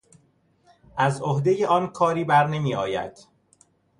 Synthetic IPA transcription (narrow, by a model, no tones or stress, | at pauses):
ʔæzohd̪ejeʔɒːnkʰɒːɾiːbæɾne̞miːɒːjæ̰d̪̥